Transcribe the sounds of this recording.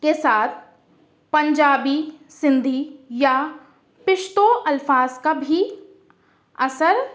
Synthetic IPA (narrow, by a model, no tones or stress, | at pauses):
kesaːt̪̚ʰ | pɐ̃ɲd͡ʒaːbisɪ̃nd̪ʱija | pɪʃt̪oʔɐlfaːzkabʱi | ɐsəɾ